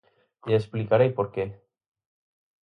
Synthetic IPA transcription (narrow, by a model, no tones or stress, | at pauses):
esplikaɾejpo̞ɾke